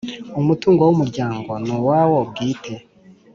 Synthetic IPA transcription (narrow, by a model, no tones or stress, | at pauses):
umutuːŋɡowumuɾɟaːŋɡo̞nowaːwob̚ɡiːtʰe̞